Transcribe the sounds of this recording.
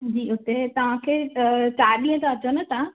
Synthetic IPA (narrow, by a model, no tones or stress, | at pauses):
d͡ʑiːʊt̪et̪ɐʋ̤ãkʰeːt͡ɕaːɗĩːə̃t̪ʰãɐt͡ɕənə̆t̪ã